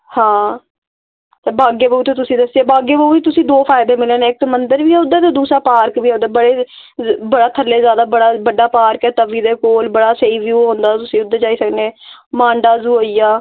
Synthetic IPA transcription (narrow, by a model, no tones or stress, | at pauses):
hãː | t̪eːbaːɡeːbəuːt̪eːt̪ʊsĩːd̪əseːbaːɡeːbəuːiːt̪ʊsĩːd̪oːfʰaːɪd̪eːmɪleːneːɪk̚ːmənd̪əɾʋiːɛːʊd̪eːt̪eːd̪uːsɾaːpaːɾkʋiːɛʊd̪eːbəɽeː | bəɽaːt̪ʰəlːeːzjaːd̪aːbəɽaːbəɖaːpaːɾkɛːt̪əʋiːd̪eːkoːlbəɽaːseiːʋjuːɦõːnd̪aːt̪ʊsĩːʊd̪ːeːd͡ʒaːiːsəknẽːmãːɳɖaːzuːoːijaː